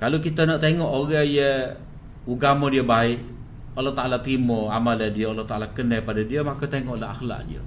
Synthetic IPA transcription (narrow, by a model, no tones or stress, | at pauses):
kalokit̪anaʔt̪eŋɔʔoɾəjə | uɡamodiəbaɪʔ | alːat̪aʔalat̪ɾimoamalədiəalaht̪aʔalakənəpadadiəmakat̪eŋɔʔlaɦa̰xla̰ʔdiə̰